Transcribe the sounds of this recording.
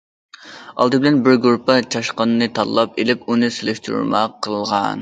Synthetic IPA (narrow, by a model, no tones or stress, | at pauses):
ɑ̰lˠd̪ɨbɪlɛnbɪɾɡuɾpɑt͡ʃʰɑʃqɑnɨnɨt̪ʰɑlːˠɑpelɪpunɨselɪʃt̪ʰyɾṵɾmɑqʰːəlˠʁɑ̰n